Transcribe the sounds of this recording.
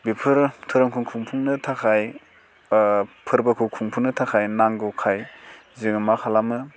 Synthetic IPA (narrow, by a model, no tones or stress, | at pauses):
bipʰɯɾtʰuɾɯŋkʰuŋkʰuŋpʰuŋnɯtʰakʰaj | pʰɯɾbakʰukʰuŋpʰuŋnɯtʰakʰajnaŋɡukʰaj | zɯŋmakʰalamɯ